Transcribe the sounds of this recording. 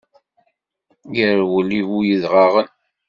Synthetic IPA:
jəɾwəlːiwujəðʁɑʁən

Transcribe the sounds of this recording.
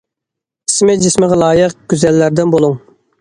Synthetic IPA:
i̥smɪd͡ʒɪsmɪʁɛlˠɑːjəq̚ɡ̥ʲyzɛlːæɾd̪ɪnbolˠuŋ

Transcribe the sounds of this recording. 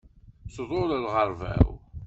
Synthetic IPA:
sðˤoɾəlʁəɾˤvæ̰w

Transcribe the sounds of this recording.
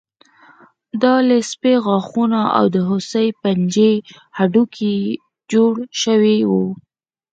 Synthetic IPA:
d̪ɑlespeɣɑxunaa̰wd̪əɦʊsəjpand͡ʒe | haɖukʰi | d͡ʒoɽʃəwewu

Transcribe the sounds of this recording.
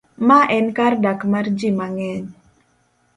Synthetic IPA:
maʔɛnkardakmard͡ʒimaŋɛɲ

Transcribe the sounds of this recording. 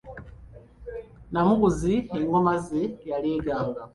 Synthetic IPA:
namuɣuzieŋɡomazijaleːɡaːŋɡa

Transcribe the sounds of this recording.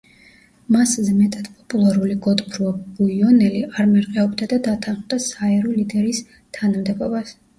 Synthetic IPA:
maszmɛt̪ʼad̪̥pʼɔpʼulˠaɾuliɡɔd̪ʼbʰɾuabujɔnɛliaɾmɛɾqʼɛɔbd̪ad̪ad̪at̪ʰanχmd̪asaɛɾɔlid̪ɛɾis | t̪ʰanamd̪ɛbɔbas

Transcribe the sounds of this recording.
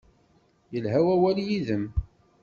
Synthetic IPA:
jəlɦæwæwæljiðəm

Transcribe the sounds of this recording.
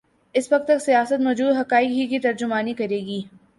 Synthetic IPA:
ɪsʋɐk̚t̪ːɐksijaːsət̪mɔːd͡ʒuːd̪ɦɐkaːɪkɦikit̪ɐɾd͡ʒʊmaːnikɐɾeːɡiː

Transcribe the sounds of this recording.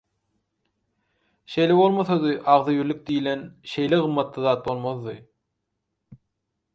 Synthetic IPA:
ʃe̞jle̞βo̞lˠmoθɑd̪ɯʔɑʁðɯjyɾlyk̚d̪ijle̞nʃe̞jleɣɯmːɑt̪lˠɯðɑːt̪̚bo̞lˠmoðːɯ

